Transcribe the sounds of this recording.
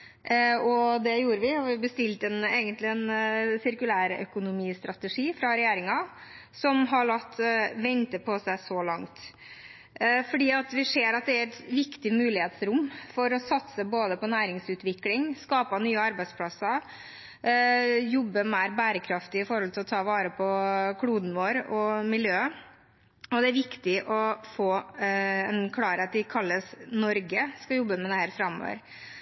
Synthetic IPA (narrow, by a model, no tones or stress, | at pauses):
ɔd̪ɛjuːɾəʋɪɔʋɪbəst̪ɪlt̪əɛneːɡənt̪lɪɛnsɪɾkʉlæːɾœ̰kʊnʊmiːst̪ɾɑt̪əʂiːfɾɑɾɛjeːɾɪŋɑ | sɔmɦɑɭɑt̪ːʋɛnt̪əpʰɔsæɪsɔlɑŋt̪ | fɔɖiːɑt̪ʋɪseːɾɑt̪̚d̪ɛæɾɛt̪ʋɪkt̪ɪmʉːlɪheːt̪sɾʊmːfɔɾɔsɑt̪səboːd̪əpɔnæːɾɪŋsʉːt̪ʋɪklɪŋskɑːpɑnyːəɑɾbæɪspʰlɑsːə | jɔbːəmæɪɾbæːɾəkʰɾɑft̪ɪɪfɔɾhɔlt̪ʰɪlɔt̪ʰɑːʋɑːɾəpʰɔkʰluːd̪n̩ʋoːɾɔmɪljøːə | ɔd̪ɛæɾʋɪkt̪ɪʔɔfoː | ɛnkʰlɑːɾeːt̪̚d̪ɪkʰɑlːəsnɔɾɡəskɑjɔbːəmɛd̪ɛhæːɾfɾɑmo̰ːʋə̰ɾ